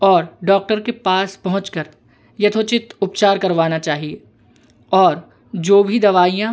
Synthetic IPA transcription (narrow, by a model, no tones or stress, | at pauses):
ɔːɾɖɔːk̚ʈəɾkepaːspɐɦʊ̃t͡ʃkəɾ | jɐt̪ʰoːt͡ʃɪt̪ʊpt͡ʃaːɾkɐɾʋaːnat͡ʃaːɦieː | ɔːɾ | d͡ʒoːbʱid̪ɐʋaːijã